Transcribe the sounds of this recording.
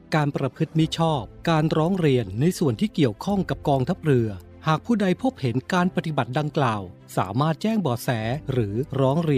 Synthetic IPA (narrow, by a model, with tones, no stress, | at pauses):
kaː˧npɾa˧pʰɯ˦˥t̪̚mi˦˥t͡ɕʰɔː˥˩p̚kaː˧nɾɔː˦˥ŋɾi˧ənːa˧jsu˨˩ənt̪ʰiː˥˩ki˨˩əwkʰɔ˥˩ŋka˨˩p̚kɔː˧ŋt̪ʰa˦˥p̚ɾɯ˧ɐ | haː˨˩k̚pʰuː˥˩da˧jpʰo˦˥p̚he˩˦nkaː˧npa˧t̪i˨˩ba˨˩t̪̚da˧ŋklaː˨˩w | sa̰ː˩˦maː˥˩t̪̚t͡ɕɛː˥˩ŋbɔː˨˩sɛː˩˦ɾɯː˩˦ɾɔː˦˥ŋɾi˧